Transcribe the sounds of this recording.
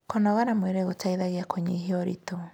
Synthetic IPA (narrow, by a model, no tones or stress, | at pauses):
kɔnɔɣanamweɾeɣotaiðaɣiakoɲiɦiɔɾḭto